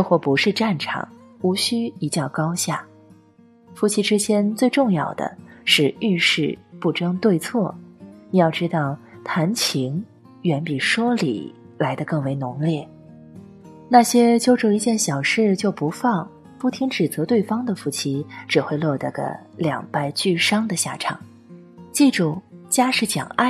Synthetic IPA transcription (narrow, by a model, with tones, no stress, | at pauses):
xwɔ˥˩pu˧˥ʂɻ̩˥˧ʈ͡ʂa˥˩nʈ͡ʂʰɑ̰˨˩˦ŋ | u˧˥ɕy˥i˧˥t͡ɕjɑ˥˩ʊkɑ˥ʊɕja˥˩ | fu˧˥t͡ɕʰi˧˥ʈ͡ʂɻ̩˥t͡ɕjɛ˥nt͡swe˥˧ɪʈ͡ʂʊ˥˧ŋjɑ˥˩ʊd̪ə̰˩ʂɻ̩˥˧y˥˧ʂɻ̩˥˧pu˥˩ʈ͡ʂɤ˥ŋt̪we˥˧ɪt͡sʰwɔ˥˩ni˨˩jɑ˥˩ʊʈ͡ʂɻ̩˥t̪ɑ˥˩ʊt̪ʰa˧˥nt͡ɕʰi˧˥ŋ | ɥɛ˧˥npi˨˩ʂwɔ˥lḭ˨˩ | la˧˥ɪd̪ə˧kɤ˥˩ŋwe˧˥ɪnʊ˧˥ŋljɛ˥˩ | na˥˩ɕjɛ˥t͡ɕjo˥ʊʈ͡ʂo˥˩ʊi˧˥t͡ɕjɛ˥˩nɕjɑ˨˩ʊʂɻ̩˥˧t͡ɕjo˥˩ʊpu˧˥fɑ˥˩ŋ | pu˥˩t̪ʰi˧˥ŋʈ͡ʂɻ̩˨˩t͡sɤ˧˥t̪we˥˩ɪfɑ˥ŋd̪ə˨fu˧˥˩t͡ɕʰi˧˥ʈ͡ʂɻ̩˨˩xwe˥˧ɪlwɔ˥˩t̪ə̰˧˩ɡə̰˧ | ljɑ̰˨˩ŋpa˥˧ɪt͡ɕy˥˩ʂɑ˥ŋd̪ə˨ɕja̰˥˩ʈ͡ʂʰɑ̰˨˩˦ŋ | t͡ɕi˥˩ʈ͡ʂʊ˥˩t͡ɕja˥ʂɻ̩˥˩t͡ɕjɑ̰˨˩ŋa˥˩